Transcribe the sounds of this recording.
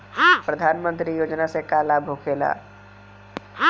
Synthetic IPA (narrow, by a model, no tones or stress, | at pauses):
pɾəd̪ʱaːnmə̃nt̪ɾijoːd͡ʒnasekalaːbʱokʰeːla̰ː